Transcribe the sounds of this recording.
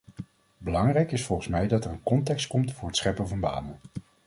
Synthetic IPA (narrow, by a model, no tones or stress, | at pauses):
bəlɑŋrɛjkɪsfɔlˠχəsmɛjdɑtɛɹənkɔntɛkstkɔmtfʊːɹɦətsχɛpənvɑnba̰ːmən